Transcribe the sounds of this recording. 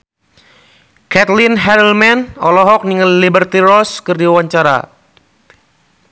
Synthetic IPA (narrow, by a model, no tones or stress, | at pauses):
kɛt̪linɦɛɾəlmɛnɔlɔɦɔk̚niŋəllibərt̪iɾɔskərdiwaɲt͡ʃaɾa̰